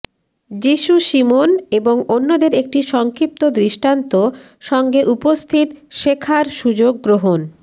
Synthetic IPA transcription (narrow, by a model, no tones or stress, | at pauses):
d͡ʑiʃuʃimoneboŋonːod̪eɾek̚ʈiʃɔŋkɾip̚t̪od̪ɾiʃʈant̪o | ʃɔŋɡeʔupost̪ʰit̪ʃekʰaɾʃud͡ʑoɡːɾoɦon